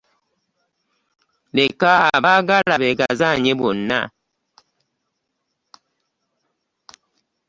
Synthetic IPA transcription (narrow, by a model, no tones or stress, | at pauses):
lekaabaɡalabeɡazaɲebona̰